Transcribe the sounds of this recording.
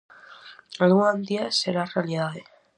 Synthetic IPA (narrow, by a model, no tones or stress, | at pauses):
alɣuand̪iaseɾarealiðaðe